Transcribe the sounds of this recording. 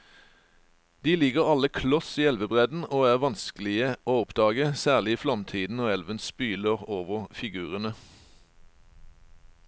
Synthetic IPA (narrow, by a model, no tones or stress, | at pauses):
d̪iːlɪɡəʁɑləkʰlɔsiːɛlʋəbʁɛd̪n̩oːæːʁʋɑnsklɪəʔoːɔpd̪ɑːɡəsæːʁlɪiːfʁɑmt̪ʰiːd̪n̩oːɛlʋənspyːləʁoːʋəʁfɪɡʉːʁənə